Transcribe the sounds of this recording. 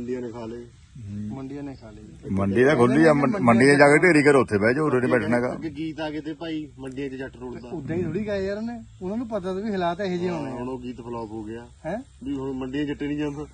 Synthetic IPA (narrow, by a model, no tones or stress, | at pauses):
ɳɖɪjãːneːkʰaːleː | məɳɖɪãːneːkʰːlməɳɖiːd̪aːɡʱolːiːaːəməɳɖijãːd͡ʒaːkeːʈeːɾiːkəɾʊt̪ʰːeːbɛːd͡ʒod̪enibɛːʈʰnãːɡa̰ːeɡiːt̪aːɡeːt̪eːpaːiːməɳɖɪjãːt͡ʃət͡ʃəʈːʈoɽd̪aːʊd̪eːiːt̪ʰoːɽiːkaːeəɾneːʊnãːnũːpət̪̬aːt̪oʋiːɦɪlaːt̪ɛːɦeːd͡ʒiːõːneːnoːɡiːt̪pʰəlɔːpoːɡɪaːɦɛ̃ː | iməɳɖɪijãːt͡ʃəʈːeːnĩːd͡ʒãd̪